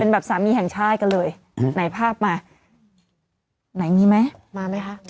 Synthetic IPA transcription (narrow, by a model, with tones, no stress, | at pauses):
pe˧nbɛː˨˩p̚saː˩˦miː˧hɛ˨˩ŋt͡ɕʰaː˥˩t̪̚ka˧nlɤː˧j | na˩˦jpʰaː˥˩p̚maː˧ | na˩˦jniː˧ma˦˥jmaː˧ma˦˥jkʰa˦˥